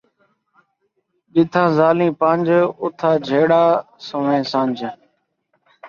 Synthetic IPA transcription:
ɗɪt̪ʰãːzaːlĩːpəːnd͡ʒʊt̪ʰaːd͡ʒʱeːɽaː | səʋẽːsãːnd͡ʒ

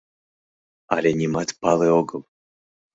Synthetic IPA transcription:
a̰lʲenʲimat̪pɑlˠeoɡɤm

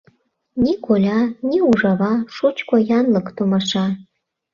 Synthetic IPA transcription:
nʲikolʲɑnʲiuʐɑβɑʃut͡ɕkojɑnlɤkt̪omɑʃɑ

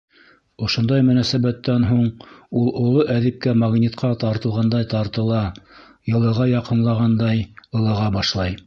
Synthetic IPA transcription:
ŏʃŏnd̪ɑjmɵ̆næsæβæt̪ːænɦuɴulˠŏlˠoʔæðɘp̚kæmɑɡnʲit̪qʰɑt̪ɑɾt̪ɤ̆lˠʁɑnd̪ɑjt̪ɑɾt̪ɤ̆lˠɑ | jɤ̆lˠɤ̆ʁɑjɑqɤ̆nlˠɑʁɑnd̪ɑjɤ̆lˠɤ̆ʁɑbɑʃlˠɑj

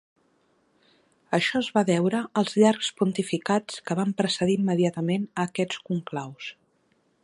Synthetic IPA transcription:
əʃɔzβaβɛwɾəːlˠzʎarkspunt̪ifikat͡skəβampɾəsəðiimːəðiat̪əmenəːkɛt͡skuŋklaws

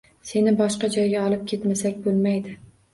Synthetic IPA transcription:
se̞nɪbɒʃqɑd͡ʒɒjɡʲaɒlˠɪp̚kʲʰe̞t̪masakʲbolˠmajd̪ɪ

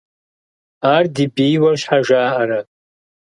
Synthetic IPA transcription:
ardibijwarʃħaʒaːʔaɾa

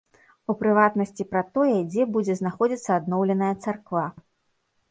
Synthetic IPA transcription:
upɾɨvat̪nɐsʲt͡sʲipɾɐt̪ɔjɛd͡zʲɛbud͡zʲɛznaxɔd͡zʲit̪sːɐːd̪nɔwlʲɛnɐjɐt̪sarkva

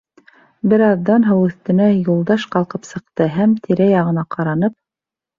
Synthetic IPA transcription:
bɘɾɑðːɑnɦɤwʉθt̪ɘ̆næjulˠd̪ɑʃqɑlˠqɤpsɤ̆qt̪ɤɦæmt̪ʰiɾæjɑʁɤ̆nɑqɑɾɑnɤp̚

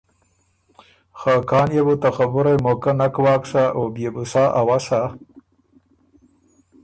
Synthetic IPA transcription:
xakɑːnjebut̪axabʊɾajmokanakwɑːkʂaʔobjebusɑːʔawasa

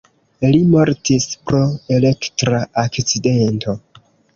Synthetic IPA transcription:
limo̞ɾtispɾoe̞le̞ktɾaakt͡side̞nto̞

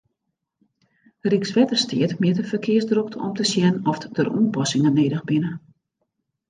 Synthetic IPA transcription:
riksʋɛtərstɪətmɪətəfərkʰɪəsdruk̚tɔ̰mtəsjɛnɔfdərṵənpɔsɪŋəneːdəxbɪnə

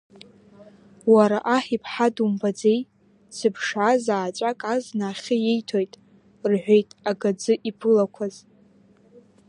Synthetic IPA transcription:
waɾaʔaħipʰħadumbad͡ze̞j | sɨpʰʂazaːt͡ʃʷʼakʼaznaːχʲɪjejtʰojtʼ | rħʷᶣe̞jtʼaɡad͡zɨʔipʰɨlakʷʰaz

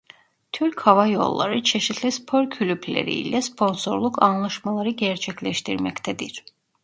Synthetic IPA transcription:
t̪ʰyɾchavajo̞̰lˠːa̰ɾɯt͡ʃʰeʃit̪ʰlʲispʰo̞ɾcʰylʲypʰlʲḛɾḭjlʲɛspʰo̞nso̞ɾlˠukʰanlˠaʃmalˠaɾɯɟɛɾt͡ʃʰɛclʲɛʃt̪ʰiɾmɛct̪ʰɛd̪iɾ̥

